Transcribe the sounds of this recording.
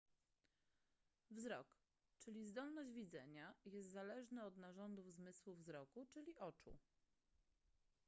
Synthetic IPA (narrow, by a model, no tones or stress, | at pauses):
vzɾɔ̰k | t͡ʂɘlʲizd̪ɔlnɔʑd͡ʑvʲid̪zɛɲajɛst̪zalɛʐnɘɔd̪naʐɔnd̪uvzmɘswuvzɾɔkut͡ʂɘlʲiʔɔt͡ʂṵ